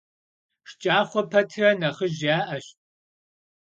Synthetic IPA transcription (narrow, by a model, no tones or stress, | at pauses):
ʂt͡ʃʼaːχʷɔpʰɐtʰɨrɐnɐχəʒaːʔɐɕt